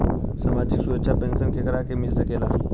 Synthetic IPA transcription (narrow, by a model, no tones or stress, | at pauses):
samaːd͡ʒiksuɾətːʃʰapẽːnsənkekɐɾakemɪlsəkelaː